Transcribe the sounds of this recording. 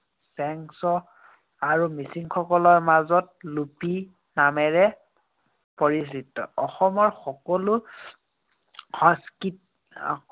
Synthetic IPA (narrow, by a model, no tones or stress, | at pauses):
sɛŋsɔ | aɹumisiŋxɔkɔlɔɹmazɔt̚lupi | namɛɹɛ | pɔɹisitːɔ̰ɔxɔmɔɹxɔkɔlu | hɔ̃skit̚